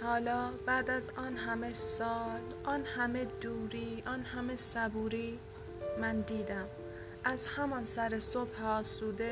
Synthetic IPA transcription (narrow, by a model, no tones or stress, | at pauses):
hɒːlɒːbæːd̪æzɒːnɦæmesɒːl | ʔɒːnhæme̞d̪uːɾiːʔɒnhæme̞sæbuːɾiː | mænd̪iːd̪æm | ʔæzhæmɒnsæɾesob̥hɒːsuːd̪e